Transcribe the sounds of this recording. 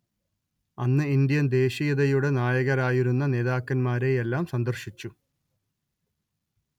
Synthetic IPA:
ɐnːɨind̪jɐnd̪e̞ːɕijɐðɐjuɽe̞naːjɐɣɐɾaːjiɾunːɐne̞ːðaːkːɐnmaːɾe̞ːjelːaːmsɐnd̪ɐrɕit͡ɕːu

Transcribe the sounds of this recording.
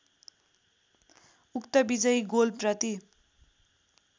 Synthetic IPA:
ukt̪ʌbid͡zʌjɡolprʌt̪i

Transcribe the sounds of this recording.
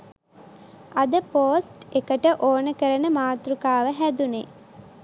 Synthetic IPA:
ɐd̪əpoːsʈekəʈəʔoːnəkəɾənəmaːt̪ɾukaːʋəɦæd̪une

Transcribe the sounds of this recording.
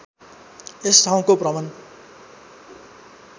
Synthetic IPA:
est̪ʰaw̃koprʌmʌn

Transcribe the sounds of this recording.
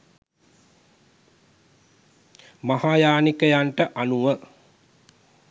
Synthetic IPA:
maɦaːjaːnikəjaɳʈəʔanuʋə

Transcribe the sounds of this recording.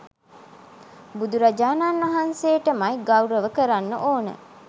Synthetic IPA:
bud̪uɾad͡ʒaːnaːnʋɐɦanseːʈəmajɡawɾəʋəkəɾanːə̰ʔoːnə̰

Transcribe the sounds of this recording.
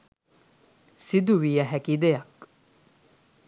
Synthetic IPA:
sid̪uʋijɐɦækid̪ejɐk

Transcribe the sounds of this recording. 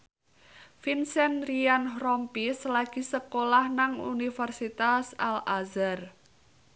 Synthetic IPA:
finsɛnrianɦrɔmpislaɡ̥i̤səkolahnaŋṵnifərsit̪asalazər

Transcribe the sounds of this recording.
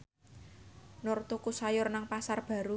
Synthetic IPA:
nɔrt̪ukusajʊrnaŋpasarb̥ä̤ɾu

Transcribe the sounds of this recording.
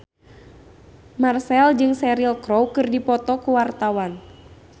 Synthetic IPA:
marsɛld͡ʒɨŋsɛɾilkɾɔwkɨrdipɔt̪ɔkuwart̪awan

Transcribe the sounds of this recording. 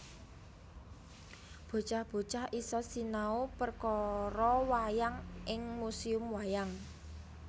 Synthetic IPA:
b̥o̤t͡ʃahb̥o̤t͡ʃahisɔsinaopərkɔɾɔwajaŋʔɪŋmusiʊmwajaŋ

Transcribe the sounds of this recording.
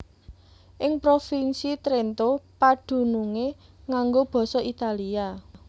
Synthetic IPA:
ʔɪŋpɾofinsit̪ɾent̪opaɖ̪̥ṳnuŋeŋaŋɡob̥ɔ̤sɔit̪alia

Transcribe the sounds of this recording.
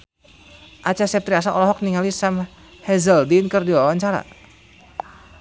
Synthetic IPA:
ʔat͡ʃasɛp̚t̪ɾias̬aʔɔ̰lɔɦɔk̚niŋalisam | hɛzəldinkərdiwawaɲt͡ʃaɾa̰

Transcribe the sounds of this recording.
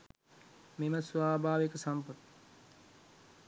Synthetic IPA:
meməsuʋaːbʱaːʋekəsampət̪

